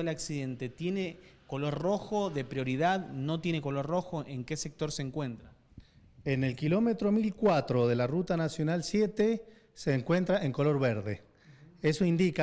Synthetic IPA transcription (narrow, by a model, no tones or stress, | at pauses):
elaksiðe̞nt̪e̞t̪je̞neko̞lo̞ɾro̞xo̞ðe̞pɾjo̞ɾið̞aðno̞t̪je̞ne̞ko̞lo̞ɾro̞xo̞ʔeŋke̞sek̚t̪o̞ɾseːŋkwe̞nt̪ɾa | ene̞lkilo̞me̞t̪ɾo̞milkwat̪ɾo̞ðe̞larut̪anasjonalsje̞t̪e | seːŋkwe̞nt̪ɾaʔeŋko̞lo̞ɾβeɾðe̞ | e̞soind̪ika